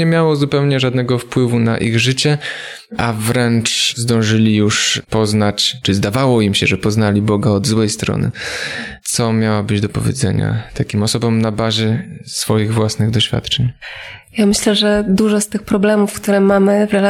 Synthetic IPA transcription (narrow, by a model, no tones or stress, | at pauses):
ɲɛmʲjawɔzupɛwɲɛʐad̪nɛɡɔfpwɘvuna̰ʔiɣʐɘt͡ɕɛ | ʔavɾɛnt͡ʂzd̪ɔ̃w̃ʐɘlʲijuʂpɔznat͡ɕt͡ʂɘzd̪avawɔimɕɛʐɛpɔznalʲibɔɡaɔd̪zwɛjst̪ɾɔ̰nɘ̰t̪sɔmʲjawabɘd͡ʑd̪ɔpɔvʲjḛdzɛ̰ɲa̰t̪ʰakʲimɔsɔbɔmnabaʑɛsfɔjiɣvwasnɘɣd̪ɔɕfʲja̰t̪t͡ʂɛɲjamɘɕlɛʐɛd̪uʐɔst̪ɘxpɾɔblɛmufkt̪uɾɛmamɘvɾɛl